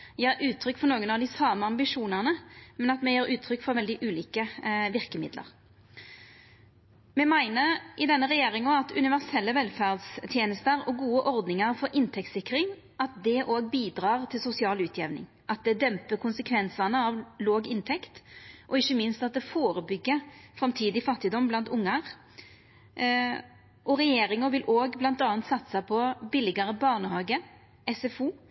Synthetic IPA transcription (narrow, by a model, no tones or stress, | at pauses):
jeːɾʔʉːt̪ʰɾʏkːfɔɾnoːɡənɑʋd̪ɪsɑːməɑmbɪʂuːnɑʁnəmɛnɑt̪mɛjeːɾʉːt̪ʰɾʏkːfɔɾʋɛld̪ɪʔʉːliːkəʋɪʁkəmɪ̰d̪lə̰ʁ | mɛmæɪnəɾʔɪd̪ɛnːəʁɛjeːɾɪŋɔɑt̪ʉ̰nɪʋæʁsɛlːəʋɛlfæʁd̪st̪ʰjeːnəst̪əɾɔɡuːəʔɔʁd̪nɪŋəɾfɔɾʔɪnt̪ʰɛk̚t̪sɪkːɾɪŋ | ʔɑt̪̚d̪ɛʔoːɡbiːd̪ɾɑːʁt̪ʰɪlsʊsɪɑːlʉːt̪ʰjɛʋnɪ̰ŋ | ʔɑt̪̚d̪ɛd̪ɛmpəkʰʊnsəkʰʋɛnsɑnəɑʋloːɡɪnt̪ʰɛkt̪ʔɔɪçːəmɪnst̪ɑt̪̚d̪ɛfoːʁəbʏɡːəfʁɑmt̪ʰiːd̪ɪfɑt̪ːɪd̪ɔmblɑnt̪ʊŋːɑʁ | ʔɔʁɛjeːɾɪŋəʋɪlʔoːɡblɑnt̪ɑːɑnt̪sɑt̪sɑpʰɔbɪlɪɡɑɾəbɑʁnəhɑːɡə | ɛsɛfuː